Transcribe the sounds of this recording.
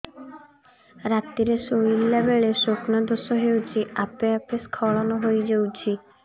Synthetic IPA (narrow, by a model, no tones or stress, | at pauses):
ɾat̪ːiɾesoilːebeɭesoknɔd̪osɔɦewt͡ʃʰiʔapeapeskʰɔɭɔnɔɦojd͡ʑewt͡ʃʰi